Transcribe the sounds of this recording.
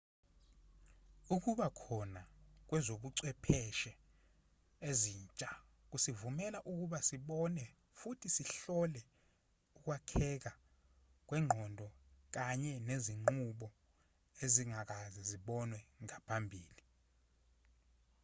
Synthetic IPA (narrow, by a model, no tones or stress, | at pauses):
uk̬uɓakʰɔnak̬wɛzoɓuǀwɛpʰɛʃɛ | eziːnt͡ʃʼa | k̬usivumɛlaʔuk̬uɓasiɓɔnɛ | futʰisiɬɔlɛ | uk̬wakʰɛk̬a | k̬wɛŋ͡ǃʱɔndʱɔk̬aɲɛneziŋŋ͡ǃuɓɔ | eziŋak̬aziziɓɔnwɛŋapʰambʱiːli